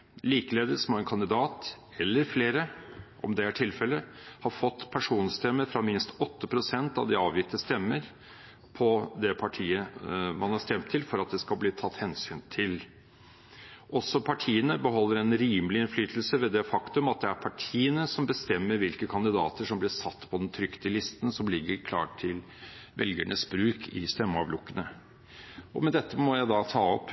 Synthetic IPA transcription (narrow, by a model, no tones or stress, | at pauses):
liːkəleːd̪əsmoːɛnkʰɑnd̪ɪd̪ɑːt̪ | ɛlːəɾfleːɾəʔɔ̰md̪ɛæʈʰɪlfɛlːəhɑɾfɔt̪ːpʰæʂuːnst̪ʰɛmːəfɾɑmɪnst̪ɔt̪ːəpʰɾʊsɛnt̪ɑ̰ʋd̪ɪɑːʋjɪt̪ːəst̪ɛmːəɾ | pʰɔd̪ɛpʰɑʈʰiːəmɑnhɑɾst̪ɛmt̪ʰːɪlfɔɾɑt̪̚d̪ɛskɑlbliːt̪ʰɑt̪ːhɛnsyːnt̪ʰɪl | ʔɔsːɔpʰɑʈʰiːənəbəɦɔlːəɾɛnɾiːməlɪɪnflyːt̪əl̩səʋɛd̪ɛfɑkt̪ʉmɑt̪̚d̪ɛæɾpʰɑʈʰiːənəsɔmbəst̪ɛmːəɾʋɪlkəkʰɑnd̪ɪd̪ɑːt̪əʂɔmblɪsɑt̪ːpʰɔd̪ɛnt̪ʰɾʏkt̪əlɪst̪ənsɔmlɪɡːəɾkʰlɑ̰ːʈʰːɪl | ʋɛlɡæ̰ɳʔəsbɾʉːkʰɪst̪ɛmːɑʋlʊkːənə | ʔɔ̰mɛnd̪ɛt̪ːəmɔjæɪd̪ɑt̪ʰɑːɔp